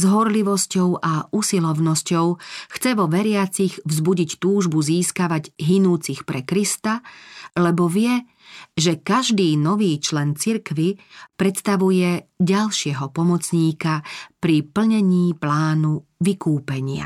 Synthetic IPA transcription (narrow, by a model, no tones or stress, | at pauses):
zɦɔɾliʋɔscɔʊʔausilɔʊnɔscɔʊxt͡sɛʋɔʋɛɾɪat͡siɣvzbuɟict̪uːʒbuziːskaʋaɟɦinuːt͡sixpɾɛkɾist̪alɛbɔʋɪɛ | ʒɛkaʒd̪iːnɔʋiːt͡ʃlɛnt͡siɾkʋipɾɛt̪st̪aʋujɛɟalʃɪɛɦɔpɔmɔt͡sɲiːkapɾipl̩ɲɛɲiːplaːnuʋikuːpɛɲɪa̰